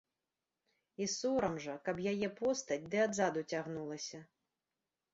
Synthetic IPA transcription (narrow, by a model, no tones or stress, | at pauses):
isuɾɐmʐɐkɐbjajɛpɔst̪ɐt͡sʲd̪ɨad̪zad̪ut͡sʲaɣnulˠɐsʲɐ